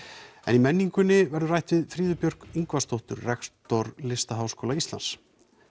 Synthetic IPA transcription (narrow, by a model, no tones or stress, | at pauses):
ɛ̰nimɛnːiŋkʏnːɪvɛɾðʏraːjht̪vɪðfɾiːðʏpjœr̥kiŋkvast̪owht̪ʏɾrɛkst̪oɾlɪst̪aɦawskʰoːlaist̪la̰ns